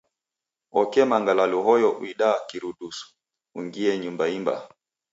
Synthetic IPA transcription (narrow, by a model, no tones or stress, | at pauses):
ɔkɛmaŋɡalaluɦɔjɔʔuiɗaːkiɾuɗusu̥ | uŋɡiɛɲumbaimba̰